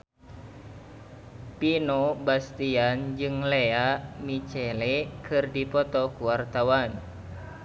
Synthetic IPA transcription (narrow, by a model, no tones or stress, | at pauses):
pinobast̪iand͡ʒɨŋleamit͡ʃɛlekʰɨrdipɔt̪ɔkuwart̪awan